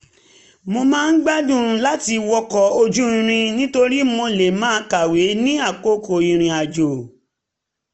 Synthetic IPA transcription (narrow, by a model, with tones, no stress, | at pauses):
mo˧mãː˦˧n̩˦ɡ͡ba˦dũ˦˨˧la˦ti˧wɔ˧kɔ˨o˧d͡ʒũ˦ĩ˧ɾ̃ĩ˧nĩ˦to˧ɾi˦mo˧le˨mãː˦ka˨we˨˦nĩ˦a˦˨ko˦ko˨ĩ˧ɾ̃ĩ˧a˨d͡ʒo˨